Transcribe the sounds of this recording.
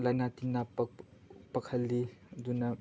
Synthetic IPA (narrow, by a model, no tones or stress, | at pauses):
lajnat̪inːapkpɐkʰəlːid̪unɐ